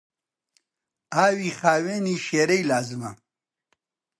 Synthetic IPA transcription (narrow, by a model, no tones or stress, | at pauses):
aːwiχaːweniʃeːɾejlaːzɨma̰